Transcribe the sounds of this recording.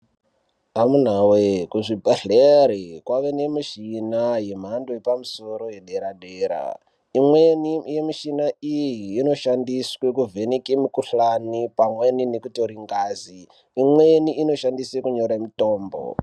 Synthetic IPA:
amun̤awekuʐibʱaɬeɾekwaʋe̞nemiʃinajem̤andojepamusoɾo̞jeɗe̞ɾaɗeːɾa̰ | imwenijemiʃinaijiːno̞ʃandiswekuvʱenekemikuɬanipamweninekuto̞ɾiŋɡaːziː | mweniino̞ʃandisekuɲo̞ɾamitoːmbo̰

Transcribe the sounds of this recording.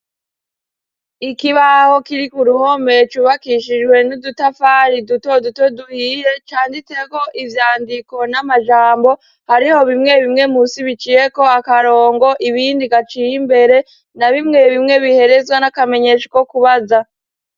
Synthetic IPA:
ikiβaho̞kiɾikuɾuho̞me̞t͡ʃuβakiʃid͡ʒɡwe̞nudutafaɾiduto̞duto̞duhiːje̞t͡ʃaːnditeko̞ʔivjaːndiko̞namaʒaːmbo̞ | haɾiho̞βimŋe̞βimŋe̞musiβit͡ʃije̞ko̞akaɾo̞ːŋɡo̞ʔiβiːndiɡat͡ʃijimbe̞ɾe̞ | naβimŋe̞βimŋe̞βihe̞ɾe̞zɡwanakame̞ɲe̞ʃḁkokuβaza

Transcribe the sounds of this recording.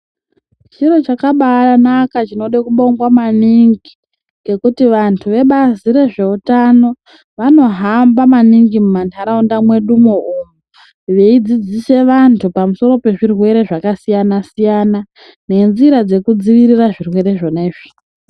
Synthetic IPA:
t͡ʃiɾo̞t͡ʃakaɓaanakat͡ʃino̞ɗakuɓo̞ŋɡwamaniŋɡi | ɡe̞kutiʋantʰuʋe̞ɓaziɾe̞ʐe̞utano̞ | ʋano̞ɦambamaniŋɡimumantʰaɾaundamwe̞ɗumoomu | ʋe̞id͡zid͡zise̞ʋantʰupamuso̞ɾo̞pe̞ʐirwe̞ɾe̞ʐakasijanasijana | ne̞nziɾad͡ze̞kud͡ziʋiɾiraʐirwe̞ɾe̞ʐo̞neːʐ̥i̥

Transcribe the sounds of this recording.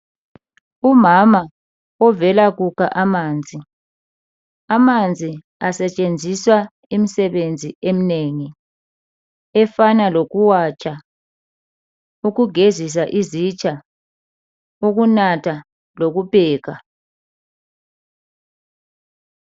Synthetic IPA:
umama | ɔvɛlaɣukʰa̰ʔamaːnd͡zʱi | amand͡zʱi | asɛt͡ʃʼend͡zʱiswa | imisɛβend͡zʱiemineːŋi | ɛfanaloɣuwat͡ʃʼa | uɣuɡʱezis̬aʔizit͡ʃʼa | uɣunatʰa | loɣubʱɛːɣa

